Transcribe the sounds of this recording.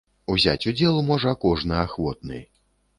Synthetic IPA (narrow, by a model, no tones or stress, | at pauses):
uzʲa̰t͡sʲud͡zʲɛlˠumɔʐɐːkɔʐnɨaxvɔt̪̚nɨ̰